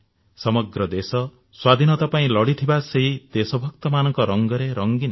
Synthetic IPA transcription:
sɔmɔɡɾɔd̪esɔ | swad̪ʱinɔt̪apaĩlɔɽit̪ʰibaseɦid̪̥esɔbʱɔk̚t̪ɔmanɔŋkɔɾɔŋɡɔɾeɾɔŋɡin

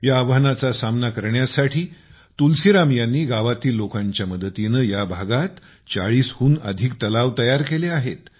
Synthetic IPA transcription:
jaːʋanat͡sasamnakəɾɳjasaʈʰiː | t̪ulsiɾamjanːiːɡaʋat̪iːlːokaɲt͡ɕjaməd̪ət̪inəjabʱaɡat̪ | t͡sa̰ɭiːshuːnə̰d̪ʱikt̪əlaʋt̪əjaɾkeleaɦet̪

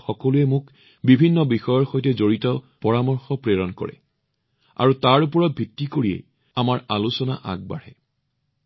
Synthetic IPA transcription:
xɔkɔluɛmʊk | bibʱinːɔbixɔjɔɹxojtɛzoɹitɔ | pɔɹamɔɹxɔpɹeɹɔnkɔ̰ɹɛ̰ | a̰ɹutaɹupɔɹɔt̚bʱitːikoɹijɛ̰ | amaɹalusɔna̰ʔa̰ɡ̚ba̰ɹɛ̰

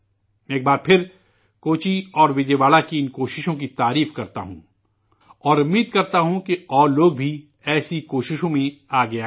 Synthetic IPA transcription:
eːk̚baːɾpʰɪɾ | koːt͡ʃiɔːɾʋɪd͡ʒeːʋaːlakiɪnkoːʃɪʃõk̬it̪aːɾiːfkɐɾt̪a̰ɦṵ̃ | ɔːɾʊmːiːd̪̚kɐɾt̪aɦũkeɔːɾloːɡ̚bʱi | ɛːsikoːʃɪʃõmẽaːɡɐja

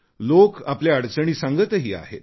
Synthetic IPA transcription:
lokapljaəɽt͡səɽ̃iːsãŋɡət̪əɦiːa̰ɦḛt̪

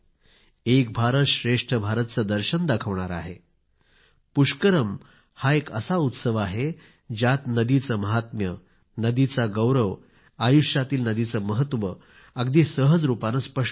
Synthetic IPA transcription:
ek̚bʱaɾət̪ɕɾeʂʈʰəbʱaɾət̪̚t͡səd̪əɾɕənd̪akʰəʋɳaɾa̰ɦe | puʂkəɾəm | haekə̰saut̪səʋaɦe | d͡ʑjat̪nəd̪it͡səməɦat̪mjə | nəd̪it͡saɡəwɾəʋ | ajuʂjat̪iːlnəd̪it͡səməɦət̪ʋə | əɡd̪iːsəɦəd͡zɾupanəspəʂ

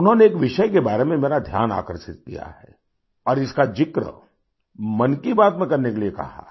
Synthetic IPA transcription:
ʊnɦõneːkʋɪʃəjk̬ebaːɾemẽmeːɾad̪ʱja̰ːna̰ːkəɾʃɪt̪̚kḭja̰ɦɛ̰ː | ɔːɾɪskad͡ʒɪkɾə̰ | mɐnkibaːt̪mẽkɐɾnekelijekɐ̰ɦa̰

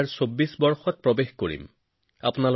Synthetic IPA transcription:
ɹsobːisbɔɹxɔt̚pɹobexkoɹḭm | a̰pʊnal

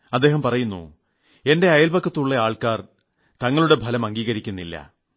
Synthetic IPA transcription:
ɐd̪ːe̞ːɦɐmpɐrɐjunːṵ | e̞nde̞ɐjɐlbɐkːɐt̪ːuɭːeaːɭkaːr | t̪ɐŋːɐɭuɽe̞bʱɐlɐmɐŋɡiːɣɐɾikʲːunːilːɐ̰

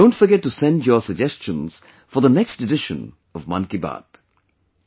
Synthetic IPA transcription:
õːnʈfəɾɡɛʈ̚ːusɛ̃ndjɔsəɡ̚d͡ʒɛst͡ʃə̃nz̥ | fɔɾd̪ənɛksʈɪɖɪʃə̰̃n | ʌvmʌ̰̃nkiba̰ːd̪̥

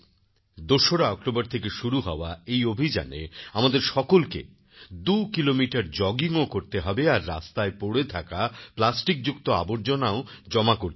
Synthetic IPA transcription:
d̪oʃoɾaɔk̚ʈobaɾt̪ʰekeʃuɾuɦɔ̰oaejobʱid͡ʑa̰nḛamad̪eɾʃɔkolkḛ | d̪ukilomiʈaɾd͡ʑɔɡiŋokoɾt̪eɦɔbeaɾːa̰st̪aepoɽet̪ʰakaplasʈik̚d͡ʑukt̪oa̰boɾd͡ʑonaod͡ʑɔmakoɾt̪

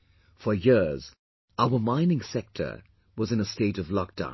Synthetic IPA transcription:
fə˞jɪɹz̥ | aʊəmãɪ̃nɪ̃ŋsɛk̚tʰə̰˞ | wʌzɨ̃nəsteɪɾʌvlɔk̚d̥ã̰ʊ̃n

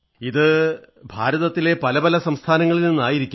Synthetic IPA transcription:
iðɨ | bʱaːɾɐðɐt̪ːile̞pɐlɐbɐlɐsɐmst̪ʰaːnɐŋːɐɭilninːaːjiɾikʲːu

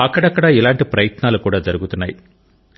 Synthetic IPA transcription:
ɐkːɐɽɐkːɐɽaːɛlaːɳʈipɾɐjɐt̪naːlkuːɽaːd͡ʒɐɾɯɣɯt̪ːɯnːɐj

